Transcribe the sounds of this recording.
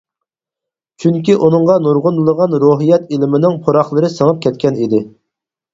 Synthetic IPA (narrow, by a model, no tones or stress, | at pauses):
t͡ʃʰyŋkʲiʔunɨŋʁɑnuɾʁʊnlˠəʁɑnɾoɦijɛt̪ilɪmɪnɪŋpʰoɾɑχlˠəɾɨsəŋəp̚kʲʰɛt̪kʲɛnid̪ɪ